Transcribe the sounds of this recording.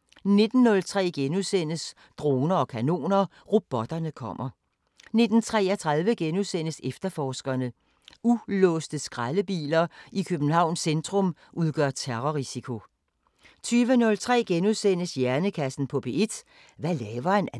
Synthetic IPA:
ne̝d̥n̩ːɔ̽lt͡sʰʁɛ̰ːɡ̥enuðˠsen̰əs | d̥ʁo̝ːnɐɒ̽kʰæno̝̰ːnɐ | ʁo̝b̥ɒ̽d̥ɐnəkʰɒ̽m̰ɐ | ne̝d̥n̩t͡sʰʁɛːɐt͡sʰʁað̞ˠʋəɡ̥enuðˠsen̰əsefd̥ɐfɒːsɡ̥ɐnə | ulɔsd̥əsɡ̥ʁaləb̥ḭːlɐikʰøb̥n̩hɑ̈ʊ̰nsend̥ʁɔ̽m | ʔuð̞ˠɡ̥œɐ̰t͡sʰeʁɔʁisikʰo̝ | t͡sʰyːʋənɔ̽lt͡sʰʁɛ̰ːɡ̥enuðˠsen̰əsjæɐnəkʰæsn̩pʰɒ̽b̥e̝e̝d̥ | ʋælɛːʋɐen

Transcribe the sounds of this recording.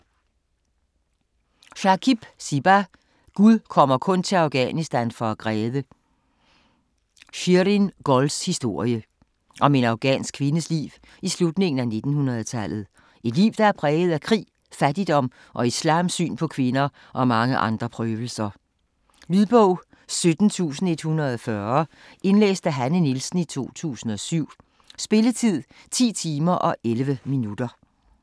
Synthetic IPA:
ɕɑ̈kʰib̥sib̥æ | ɡ̥uðˠkʰɒ̽m̰ɐkʰɔ̽nt͡sʰe̝lɑ̈ʊɡ̥ɛ̰nisd̥ænfɒ̽æɡ̥ʁɛːʋə | ɕyɾinɡ̥ɒlshisd̥o̝ɐ̰jə | ʔɒ̽me̝nɑ̈ʊɡ̥ɛ̰ːnsɡ̥kʰʋe̝nəslḭːʊ | islud̥ne̝ŋn̩æne̝d̥n̩hunʁɐð̩ˠt͡sʰælð̩ˠ | e̝d̥lḭːʊd̥ɑ̈æɐpʰʁɛːɡð̞̩ˠækʰʁḭː | fæd̥id̥ɒ̽m̰ | ʔɒ̽islɑ̰̈ːmsy̰ːnpʰɒ̽kʰʋe̝nɐ | ʔɒ̽mɑ̈ŋəʔɑ̈nd̥ʁɐpʰʁœːʋl̩sɐ | lyðˠb̥ɔʊ̰ | sød̥n̩t͡sʰṵːsn̩e̝d̥hunɐðˠɒfɶɐ | e̝nlḛːsd̥æɦænənilsn̩it͡sʰo̝̰ːt͡sʰṵːsn̩ɒ̽syʊ̰ | sb̥e̝lət͡sʰið̰ˠ | t͡sʰḭːt͡sʰiːmɐʔɒ̽ʔelʋəminud̥ɐ

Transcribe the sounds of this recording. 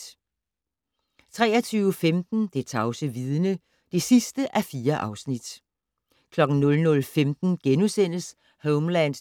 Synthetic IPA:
t͡sʰʁɛ̰ːɐt͡sʰyːʊəfemd̥n̩d̥e̝t͡sʰɑ̈ʊsəʋið̞ˠnə | d̥e̝sisd̥əʔæfiːɐʔɑ̈ʊsnid̥ | kʰlɒ̽ɡ̥n̩nɔ̽lnɔ̽lfemd̥n̩ɡ̥enusen̰əs | hoʊmlæɪnd̥

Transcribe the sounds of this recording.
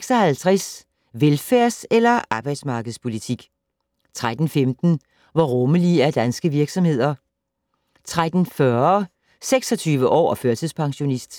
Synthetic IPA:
seɡ̥sɒhælt͡sʰʁɛs | ʋelfæɐ̰selɐʔɑ̈ːb̥ɑ̈ɪd̥smɑ̈ːɡ̥əð̞̩ˠspʰo̝lit͡sʰiɡ̥ | t͡sʰʁad̥n̩femd̥n̩ | ʋɒʁɔ̽məliæɐd̥ænsɡ̥əʋiɐɡ̥sɒ̽mhe̝ð̞̰ˠɐ | t͡sʰʁad̥n̩fɶɐɐ | seɡ̥sɒ̽t͡sʰyːʋəʔɒ̰ːføɐsðˠspʰɑ̈ŋɕo̝nisd̥

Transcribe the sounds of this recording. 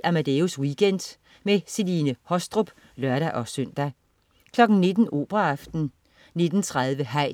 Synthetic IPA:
ʔæmæd̥euswiɡ̥en̰d̥ | meselinəhɒ̽sd̥ʁob̥ | lɶɐɾæʔɒ̽søn̰d̥æ | kʰlɒ̽ɡ̥n̩ne̝d̥n̩ʔo̝̰ːb̥ʁɐɑfd̥n̩ | ne̝d̥n̩t͡sʰʁaðˠʋəɦæɪ̰

